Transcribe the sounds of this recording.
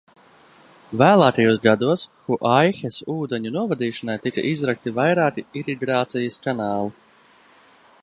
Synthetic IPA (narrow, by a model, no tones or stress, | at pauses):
væːlˠaːkajuɔsɡad̪uɔsxuʔajxesuːd̪eɲunuɔvad̪iːʃanajt̪ika̰ʔizɾak̚t̪ivajɾaːkiiɾiɡɾaːt̪sijɐskanaːlˠi